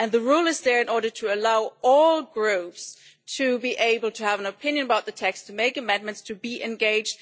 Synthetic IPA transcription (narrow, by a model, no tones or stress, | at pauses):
ɨ̃nðɨɹulˠɨzðə˞ɨ̃nɔɹɾə˞ɾʰɨːlaʊɔlˠɡɹʉps | tʰɨbiʔeɪbl̩ˠtʰɨəvə̃nɨpʰɪ̃njɨ̃nəbaʊt̪̚ðɨtʰɛkstʰɨmeɪkɨmɛ̃nmɨ̃ntstʰɨbiʔɨ̃nɡeɪd͡ʒd̥̚